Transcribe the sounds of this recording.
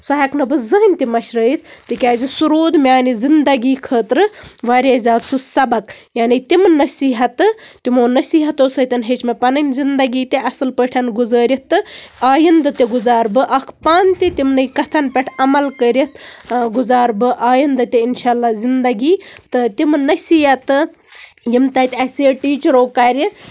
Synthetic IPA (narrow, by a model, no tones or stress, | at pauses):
sɐɦɐknɨbɨzɨɦnʲt̪imɐʃɾəːjit̪ʰt̪ɨkʲaːzisuɾoːd̪mʲaːnizind̪ɐɡiːkʰəːt̪ɾɨʋaːɾʲazʲaːd̪sʰusɐbɐkjaːnit̪ʲimnɐsiːɦɐt̪ɨt̪imoːnɐsiːɦɐt̪osɐt̪ʲɐnɦet͡ʃmepɐnɐnʲzind̪ɐɡiːt̪ʲeʔɐsɨlpəːʈʰɐnɡuzəːɾʲit̪ːɨaːjind̪ɨt̪ʲeɡʊzaːɾbɨʔɐkʰpaːnt̪ʲit̪ʲimnɨjkɐt̪ʰɐnpʲeʈʰɐmɐlkəːɾit̪ɡuzaːɾbɨʔaːjind̪ɨt̪ʲeinʃaːlːaːzind̪ɐɡiːt̪ɨt̪ʲimnɐsiːɦɐt̪ɨ | jimt̪ɐt̪ʲɐseːʈiːt͡ʃɐɾoːkɐɾʲi